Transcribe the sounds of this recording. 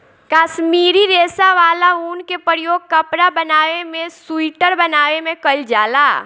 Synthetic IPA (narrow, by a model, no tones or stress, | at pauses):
kaːʃmiːɾiɾeːsaʋaːlauːnkepəɾjoːɡ̚kɐpɾabɐnaːʋemẽsuiːʈəɾbɐnaːʋemẽkəld͡ʒaːlaː